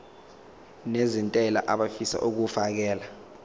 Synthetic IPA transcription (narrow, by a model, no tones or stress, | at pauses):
nezintʼɛla̰ʔaɓafisa̰ʔuk̬ufak̬ɛːla